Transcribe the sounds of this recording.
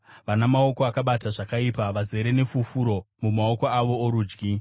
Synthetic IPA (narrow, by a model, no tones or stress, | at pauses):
ʋanamao̞ko̞akaɓataʐakaipaʋaze̞ɾe̞ne̞fufuɾo̞ | mumao̞ko̞aʋo̞ːɾuːd͡ʒɡi